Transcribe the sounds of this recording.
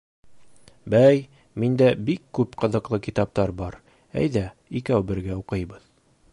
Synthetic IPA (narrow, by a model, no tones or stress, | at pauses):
bæj | mind̪æbikːʉpqɤ̆ðɤ̆qlˠɤkit̪ɑp̚t̪ɑɾbɑɾ | æ̰jðæ | ikæwbɘ̆ɾɡæuqɤ̆jbɤð